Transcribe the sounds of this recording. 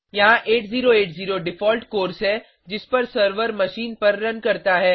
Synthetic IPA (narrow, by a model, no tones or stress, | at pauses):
jɐɦãʔeːʈziːɾoeːʈziːɾoɖɪfɔːlʈkoːɾsɦɛː | d͡ʒɪspɐɾsɐɾʋəɾmɐʃiːnpɐɾːɐ̃nkɐɾt̪aɦɛː